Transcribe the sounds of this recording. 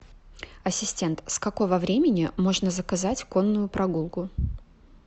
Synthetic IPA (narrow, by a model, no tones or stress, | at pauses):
ɐsʲɪsʲtʲe̞nt̪skɐko̞vəvɾʲemʲɪnʲɪmo̞ʐnəzəkɐzatʲko̞nːʊjʊpɾɐɡulˠkʊ